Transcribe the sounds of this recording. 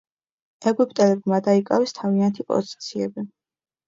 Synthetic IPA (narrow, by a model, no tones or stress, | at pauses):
ɛɡupʼt̪ʼɛlɛɡmad̪aikʼa̰wɛst̪ʰaviant̪ʰipʼɔ̰zi̥t̪sʰiɛbi